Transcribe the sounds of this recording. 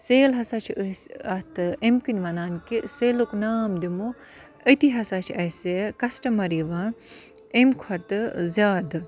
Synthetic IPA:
seːlɦɐsat͡ʃʰiəsɐt̪ɨemkinʲʋɐnaːnkiseːluknaːmd̪imu | ət̪iɦɐsat͡ʃʰiɐsekɐsʈɐmɐɾiʋaː | emkʰwɐt̪ɨzʲaːd̪

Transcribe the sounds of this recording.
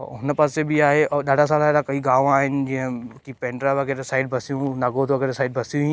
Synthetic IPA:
ɦʊnpasebɪaːɦeɔːɗaːɖʱas̬aːlaɾakɐiːɡaːʋaːɦɪnɪ̆d͡ʑɪ̃ɦə̃kipẽːɳɖɾaʋɐɡeːɾesaːɪɖbʱɐsijũnaɡoːt̪ʋɐɡeːɾesaːɪɖ̚bɐsijũɦĩ

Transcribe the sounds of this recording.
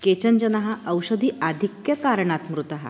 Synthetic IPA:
ket͡ɕənd͡ʑənaɦaʔəwɕəd̪ʱiːad̪ʱikjəkaɾɳat̪mɾut̪aɦa̰

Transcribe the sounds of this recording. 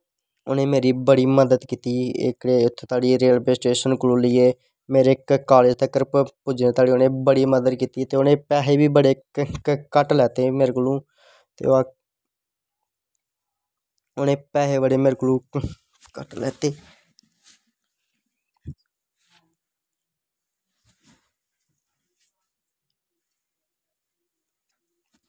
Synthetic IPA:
oːneːmeːɾiːbəɽiːməd̪əd̪kiːt̪iːɪ̰kɽeːʊt̪ʰːt̪aːɽiːɾeːəlpesʈeːʃənkluːliːeː | meːɾeːkkaːlɪd͡ʒt̪əkːəɾppʊd͡ʒnẽːt̪aːɽiːonẽːbəɽiːməd̪əd̪kiːt̪iːt̪eːoːnẽːpɛːɦeːbiːbəɽeː | kəʈlɛːt̪eːmeːɾklũː | t̪ḛːa | onẽːpɛːɦeːbəɽeːmɪɾklũː | kəʈlɛ̰ːt̪eː

